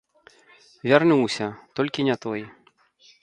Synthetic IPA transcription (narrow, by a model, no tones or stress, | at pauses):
vʲarnuwsʲɐt̪ɔlʲkʲinʲat̪ɔj